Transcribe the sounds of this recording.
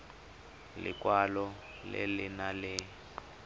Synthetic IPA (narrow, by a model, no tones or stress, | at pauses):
lɪ̰kwalɔ | lḛlinalɪ